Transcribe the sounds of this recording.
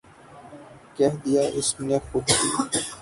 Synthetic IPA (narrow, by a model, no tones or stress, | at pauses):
kɛɦd̪ijaːʔɪsnexʊd̪kiː